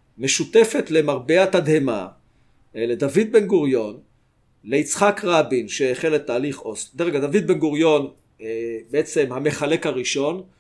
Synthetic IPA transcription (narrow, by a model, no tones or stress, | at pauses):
me̞ʃut̪e̞fe̞t̪le̞maʁbeat̪ad̪he̞ma̰ | le̞d̪avid̪̚be̞nɡuʁjo̞n | le̞it͡sχakʁabinʃeːχelːet̪aːliχo̞sd̪eʁeɡad̪avid̪̚benɡuʁjo̞n | beet͡se̞mhame̞χale̞khaʁiʃo̞n